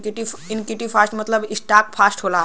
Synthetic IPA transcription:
kʈiinkjiʈiʋfʰasʈmət̪ləbisʈak̚fʰasʈɦola

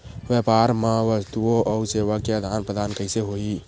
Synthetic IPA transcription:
ʋjɛpaɾmãʋəst̪uoʔɔseːʋəkeəd̪ʱaːnpɾəd̪ʱaːnkəɪseɦoi

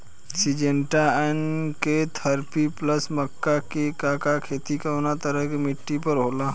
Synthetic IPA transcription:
sid͡ʒeɳʈaɛnket̪ʰəɾpipləsməkːakekakakʰeːt̪ikaonat̪əɾəɦkemɪʈːipəɾɦoːlaː

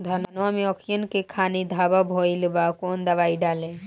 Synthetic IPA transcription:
d̪ʱɐnanɔmeɔkʰjənkekʰaːnid̪ʱababʱoilbakoːnd̪ɐʋaːiɖaːle

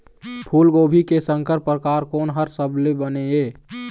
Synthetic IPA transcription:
pʰuːlɡoːbʱikesə̃ŋkəɾpɾəkaːɾkoːnɦəɾsəbʱlebəneeː

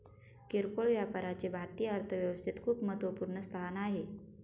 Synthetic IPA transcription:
kiɾkoɭʋjapaɾat͡sebʱaɾt̪ijəəɾt̪ʰəʋjəʋəst̪ʰit̪kʰuːpmət̪əpuɾɳəst̪ʰanaɦe

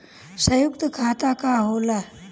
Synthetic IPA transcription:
səjuk̚t̪əkʰat̪akaɦola

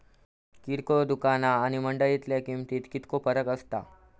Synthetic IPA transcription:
kiɾkod̪ukanaːñiməɳɖəɭit̪ljakimt̪iːt̪kit̪kopəɾəkəst̪a̰

